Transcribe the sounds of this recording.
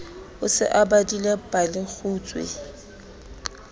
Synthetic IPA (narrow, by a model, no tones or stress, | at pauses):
ʊsɪ̰ʔabadilepʼalɪk͡xʰuːt͡sʼwḛ